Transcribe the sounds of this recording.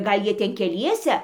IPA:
ˈɡɐlˠ ˈjiɛ ˈtʲɛn kʲɛˈlʲiɛsʲɛ

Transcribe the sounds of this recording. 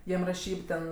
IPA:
ˈjiɛm rɐˈʃʲiːp tʲɛn

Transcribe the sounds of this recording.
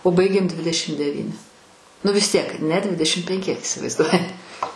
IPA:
oː ˈbɐɪɡʲeːm ˈdʲʋʲɪdʲɛʃʲɪm dʲɛˈʋʲiːnʲɪ nʊ ʋʲɪs ˈtʲiɛk nʲɛ ˈdʲʋʲɪdʲɛʃʲɪm pʲɛŋʲˈkʲɪ ɪsʲɪʋɐɪzˈduɔjɪ

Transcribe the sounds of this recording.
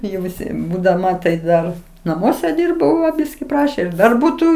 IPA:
jɛʊ ʋʲɪˈsʲɪ buːdɐˈmɐ tɐɪ ˈdɐr nɐˈmuɔsʲɛ ˈdʲiːrbɐʊ ʋɐ ˈbʲɪsʲkʲɪ ˈprɑːʃʲeː ɪr ˈdɐr ˈbuːtuː

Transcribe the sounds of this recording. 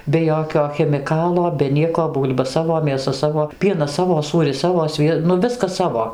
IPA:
bʲɛ ˈjoːkʲoː xʲɛmʲɪˈkɑːlˠoː bʲɛ ˈnʲiɛkoː ˈbuːlʲbɐ ˈsɑːʋoː mʲeːˈsɐ ˈsɑːʋoː ˈpʲiɛnɐs ˈsɑːʋoː ˈsuːrʲɪs ˈsɑːʋoː ˈsʲʋʲiɛ nʊ ˈʋʲɪskɐs ˈsɑːʋoː

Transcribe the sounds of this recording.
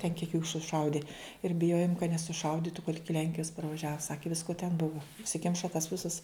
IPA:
tʲɛn kʲiɛk juː sʊˈʃɐʊdʲɪ ɪr bʲɪˈjoːjoːm kɐt nʲɛsʊˈʃɐʊdʲɪtʊ kɐt ˈɪkʲɪ ˈlʲɛŋʲkʲɪjɛs pɐrʋɐˈʒʲæːʋoː ˈsɑːkʲɪ ˈʋʲɪskoː tʲɛn ˈbʊʋɐ ʊʃʲsʲɪˈkʲɪmʃɐ tɐs ˈʋʲɪsɐs

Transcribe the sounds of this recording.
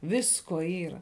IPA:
ˈʋʲɪskoː ˈiːrɐ

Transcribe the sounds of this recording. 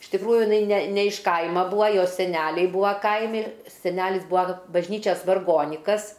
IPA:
ɪʃ tʲɪkˈruːjʊ jɪˈnɐɪ nʲɛ nʲɛ ɪʃ ˈkɐɪmɐ ˈbuːɐ ˈjoːs sʲɛˈnʲæːlʲɛɪ ˈbuːɐ ˈkɐɪmʲɪ sʲɛˈnʲæːlʲɪs ˈbuːɐ bɐʒʲˈnʲiːt͡ʃʲɛs ʋɐrˈɡoːnʲɪkɐs

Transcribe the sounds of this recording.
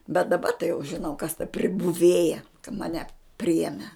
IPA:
bʲɛt dɐˈbɐ tɐɪ jɛʊ ʒʲɪˈnɐʊ kɐs tɐ pʲrʲɪbʊˈʋʲeːjɛ kɐ mɐˈnʲɛ ˈpʲrʲɪjɛmʲɛ

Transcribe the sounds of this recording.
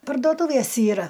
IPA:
pɐrdoːˈtuːʋʲeːs iːˈrɐ

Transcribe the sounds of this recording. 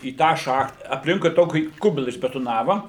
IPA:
iː ˈtɑː ˈʃɐxt ɐpʲˈlʲɪŋkʊɪ ˈtoːkʲiː ˈkʊbʲɪlˠɐ ɪʒʲbʲɛtoːˈnɑːʋɐ

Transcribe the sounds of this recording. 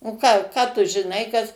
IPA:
oː ˈkɑː kɑː tʊ ʒʲɪˈnɐɪ kɐs

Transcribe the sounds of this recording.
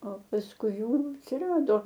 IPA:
oː pɐsˈkʊɪ ˈjuː ɐtʲsʲɪˈrɑːdoː

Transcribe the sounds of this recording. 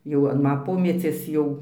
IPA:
jɛʊ ɐn ˈmɐ ˈpoːmʲɛt͡sʲiɛs ˈjɛʊ

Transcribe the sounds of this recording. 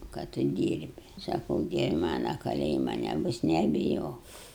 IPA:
kɐ ˈtʊ ˈdʲiːrʲbʲɪ sɐˈkɐʊ ˈdʲiɛʋʲɪ ˈmɑːnɐ kɐˈlʲeːjɪmɐ nʲɛˈbʊs nʲɛbʲɪˈjoːk

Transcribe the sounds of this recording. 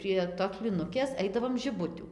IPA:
pʲrʲiɛ toːs pʲlʲiːˈnʊkʲeːs ˈɐɪdɐʋoːm ʒʲɪˈbʊtʲuː

